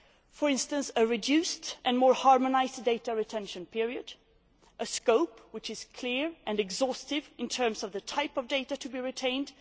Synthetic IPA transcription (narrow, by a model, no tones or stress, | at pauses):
fə˞ɪ̃nstə̃nsəɹɪdʉstʔɨ̃nmɔɹhɑɹmənaɪsdeɪtəɹɪtʰɛ̃nʃɨ̃npʰɪɹiɨd | ʔəskoʊpwɨt͡ʃɨz̥kʰl̥ɪɹʔɨ̃nɛɡzɔstɪvɪ̃ntʰɜ̃˞msʌvðətʰaɪpʌvdeɪɾətʰɨbiɹɪtʰẽɪ̃nd̥